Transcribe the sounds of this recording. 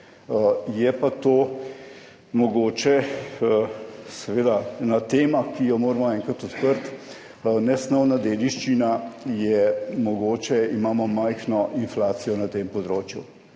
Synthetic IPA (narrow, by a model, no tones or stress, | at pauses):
jɛpat̪oː | mɔɡoːt͡ʃɛ | sɛʋeːd̪anat̪eːmakijɔmoːɾmɔɛːŋkat̪ɔt̪pəɾt̪ | nɛsnɔwnad̪eːd̪iʃt͡ʃinajɛmɔɡoːt͡ʃɛimaːmɔmajxnɔʔinflaːt̪sijɔnat̪eːmpɔd̪ɾoːt͡ʃjṵ